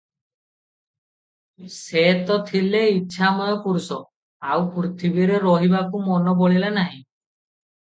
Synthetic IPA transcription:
set̪ɔt̪ʰileiːʃʰamɔjɔpuɾusɔ | awpɾut̪ʰibiɾeɾɔɦibakumɔnɔbɔɭilanaɦĩ

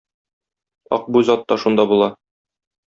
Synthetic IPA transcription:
ɒ̰q̚buzɒt̪ːɑʃund̪ɑbulˠɑ

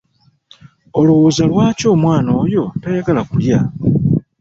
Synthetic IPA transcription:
o̞luwozalwaːco̞ːmwaːno̞ːjo̞tojaɡalakulja

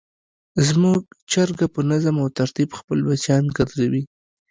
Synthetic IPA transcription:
zmuɡt͡ʃaɾɡapənazamawt̪aɾt̪ibxpəlbat͡ʃjɑnɡaɾzawi

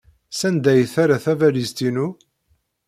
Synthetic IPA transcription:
sænd̪æjθaɾaθævælizt̪inu

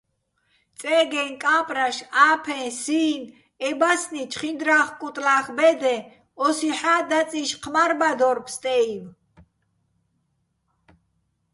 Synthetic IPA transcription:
t̪t͡sʼɛːɡɛnkʼaːpʼɾaʃaːpʰɛ̃siːn | ɛbasnit͡ʃʰχind̪ɾaχkʼut̪ʼlaχbɛd̪ɛ | ɔsiħaːd̪at͡sʼiʃqʰmaɾbad̪ɔɾpʰst̪ʼɛiv

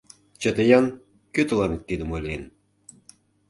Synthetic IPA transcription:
t͡ɕə̆t̪əjɑn | køt̪ə̆lɑnək̪̚t̪ːid̪ə̆mojlʲen

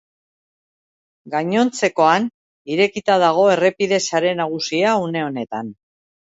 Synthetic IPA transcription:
ɡaɲo̞nt͡se̞ko̞an | iɾe̞kit̪að̞aɣ̞o̞e̞re̞piðe̞saɾe̞naɣ̞usiaune̞o̞ne̞t̪an

